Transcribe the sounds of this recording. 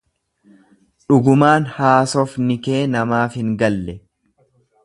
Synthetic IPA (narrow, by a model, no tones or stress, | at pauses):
ᶑʊɡʊmaːnhaːsɔfnɪke̞ːnɐmaːfhɪŋɡɐlːɛ